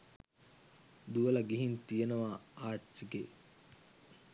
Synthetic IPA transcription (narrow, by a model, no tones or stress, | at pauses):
d̪uʋɐlɐɡiɦint̪ijenɐʋaːaːt͡ʃːiɡe